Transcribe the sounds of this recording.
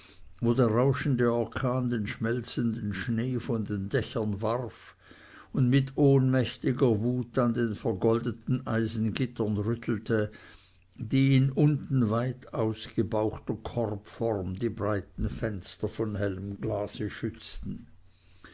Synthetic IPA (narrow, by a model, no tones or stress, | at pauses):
voːdeːɐʁaʊʃn̩dəɔʁkʰaːndeːnʃmɛlt͡səndən̩ʃneːfɔndeːndɛçɐnvaʁf | ʊndmɪtʰoːnmɛçtɪɡɐvuːtandeːnfɛɐɡɔldətn̩ʔaɪzn̩ɡɪtɐnʁʏtʰl̩tʰə | d̥iːɪnʊntn̩vaɪtʰaʊsɡ̥əbaʊxtɐkʰɔrpfɔʁmdiːbʁaɪtn̩fɛnstɐfɔnhɛləmɡlaːz̥əʃʏt͡stn̩